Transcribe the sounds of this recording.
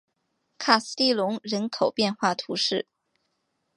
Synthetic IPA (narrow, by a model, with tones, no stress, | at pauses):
kʰa˥˩s̩˥˧t̪i˥˩lʊ˧˥ŋɻə˧˥nkʰo˨˩ʊpjɛ˥˧nxwa˥˩t̪ʰu˧˥ʂɻ̩˥˩